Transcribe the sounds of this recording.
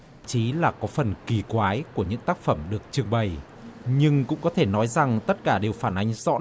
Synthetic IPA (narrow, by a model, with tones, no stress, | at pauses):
t͡ɕi˨˦laː˨˩kɔ˨˦fə˨˩nki˨˩kwaː˨˦jku˧˩əɲɨ̰˧˥ŋt̪aː˦˥k̚fə˧˩mɗɨ˨˩ək̚t͡ɕɨ˨˩əŋɓə˨˩j | ɲɨ˧ŋkʊ̰˧˥ŋ͡mkɔ˨˦t̪ʰe˧˩nɔ˨˦jza˨˩ŋt̪ə˦˥t̚kaː˧˩ɗe˨˩wfaː˧˩nʔa˨˦jŋ̟zɔ̰˧˥